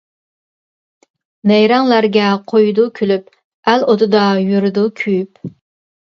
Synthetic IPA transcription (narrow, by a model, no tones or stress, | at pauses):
nɛjɾɑŋlæɾɡʲɛqʰojd̪ukʲʰylyp | ælot̪ɨd̪ɑjyɾɨd̪ukʲʰyjyp